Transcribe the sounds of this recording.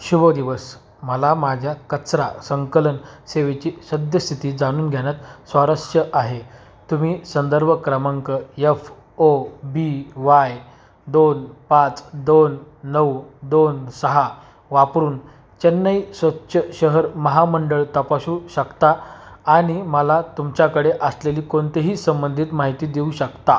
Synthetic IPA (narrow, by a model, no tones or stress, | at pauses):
ɕubəd̪iʋəs | məlamad͡ʑʱjakət͡sɾa̰səŋkələnseʋet͡ɕiːsəd̪jəst̪ʰit̪iːd͡zaɽ̃uːnɡʱjaɽ̃jat̪sʋaɾəʂjəʔaɦe | t̪um̤iːsənd̪əɾbʱəkɾəməŋkəef | obiʋaj | d̪onpat͡sd̪onːəwd̪onsəɦa | ʋapɾuːn | t͡ɕənːəisʋətːɕʰəɕəɦəɾməɦaməɳɖəɭt̪əpaɕuːɕəkt̪aaɽ̃iməlat̪umt͡ɕjakəɽeʔəsleliːkoɳt̪eɦiːsəmbənd̪ʱit̪maɦit̪iːd̪euːɕəkt̪a